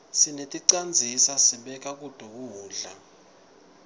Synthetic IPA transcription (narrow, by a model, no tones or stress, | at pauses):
sinetʼiǀand͡zʱisasiɓɛk̬ʼak̬ʼud̥ʱuk̬uːɮa̰